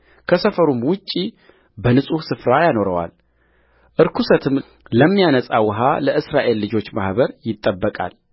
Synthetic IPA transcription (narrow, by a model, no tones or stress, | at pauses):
kʰəsəfəɾumwʊt͡ʃʼːi | bənɨsʼusɨfɾajano̞ɾə̰wa̰l | ʔɨɾkʰusət̪ʰɨm | ləmːijanəsʼawɨɦaləʔɨsɾaʔe̞lːɨd͡ʒo̞t͡ʃːmahβəɾjɪt̪ʼːəbːəkʼa̰l